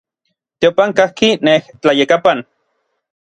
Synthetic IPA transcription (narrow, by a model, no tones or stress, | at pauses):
t̪eopaŋkahkineht͡ɬajekapan